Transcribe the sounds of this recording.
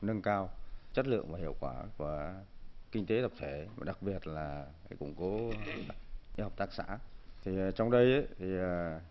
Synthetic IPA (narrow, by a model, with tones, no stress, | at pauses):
nə˧ŋkaː˧wt͡ɕə˦˥t̚lɨ̰˧˨əŋvaː˨˩ɦḭ˧˨əwkwaː˧˩ku˧˩ə | kï˧ŋ̟t̪e˨˦t̪ə˨˩k͡p̚t̪ʰe˧˩˨ɗa˨˩k̚ɓi˨˩ət̚laː˨˩˨ | jkʊ̰˧˥ŋ͡mkɔ˨˦ | ʔi˧ha˨˩k͡p̚t̪aː˦˥k̚sa̰ː˧˥t̪ʰi˨˩˨t͡ɕɔ˧wŋ͡mɗə˧jʔə˨˦t̪ʰi˨˩ə˨˩